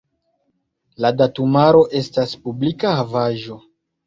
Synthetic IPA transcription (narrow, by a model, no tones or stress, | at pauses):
ladatumaɾo̞ʔe̞staspublikahavaʒo̞